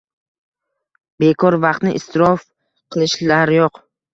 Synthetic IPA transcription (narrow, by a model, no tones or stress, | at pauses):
be̞kʰɒɾvɑqt̪nɪʔɪst̪ʰɪɾɒf | qʰɨlˠɪʃlaɾjoq